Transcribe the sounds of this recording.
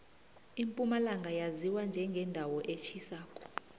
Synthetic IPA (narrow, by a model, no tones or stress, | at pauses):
impʼumalaŋɡʱajaziwand͡ʒʱɛŋɡʱɛndʱawɔʔet͡ʃʰisaːkʼɔ̥